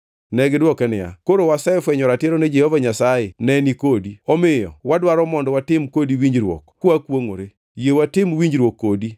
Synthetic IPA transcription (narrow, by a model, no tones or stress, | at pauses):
nɛɡɪdwɔkɛnɪja̰koɾowasaefwɛɲɔɾatjeɾɔned͡ʒɛhovaɲasajenɛnikodiɔmɪjɔ̰wadwaɾɔmɔndɔwatɪmkodiwiɲd͡ʒɾwo̰kkwakwoŋo̰ɾe | jewatɪmwiɲd͡ʒɾwokːodi